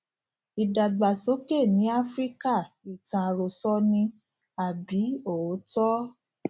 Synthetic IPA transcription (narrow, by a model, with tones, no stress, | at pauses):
i˨da˨ɡ͡ba˨so˨˦ke˦˨nĩ˨˦a˦fɾi˦ka˦˨i˨tã˨ɾo˧sɔ˦nĩ˧ | a˨bi˨˦o˦˨˦tɔ˦